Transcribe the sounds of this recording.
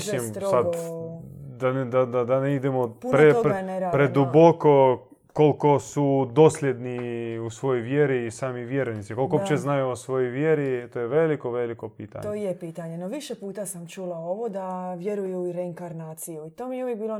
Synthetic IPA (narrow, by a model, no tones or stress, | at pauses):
simɾosad̪ | d̪and̪ad̪ad̪aneid̪emopunpoeoneɾaːdpɾed̪uboko | ko̞lko̞sud̪o̞ːslʲjed̪niusʋo̞jojʋjeɾiːsaːmiʋjeɾonisikolˠkoopt͡ʃeznajuosʋo̞jojʋjeɾit̪ojeʋelikoʋelikopiːt̪a̰ɲojepiːt̪aɲenoʋiʃepuːt̪asamt͡ʃulaoʋod̪aʋjeɾujuiɾeiŋkaɾnaːt̪sijuit̪omijeuʋjek̚biːlo